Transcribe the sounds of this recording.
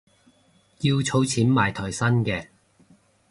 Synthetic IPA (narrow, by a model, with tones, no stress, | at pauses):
ki˧wt͡sʰo˨˥wt͡sʰiː˨˥nmaː˨˩jt̪ʰɔː˨˩jsɐ˥nkɛː˧